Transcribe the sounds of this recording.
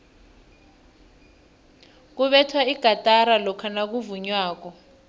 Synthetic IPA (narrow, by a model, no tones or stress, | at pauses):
k̬uɓɛtʰwaiɡ̥ʱatʼaɾalɔkʰanak̬uvuɲwaːk̬ɔ